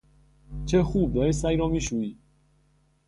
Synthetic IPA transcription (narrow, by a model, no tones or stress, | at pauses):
t͡ʃʰexuːb̚dæɾesæjɾɒːmiːʃuːiː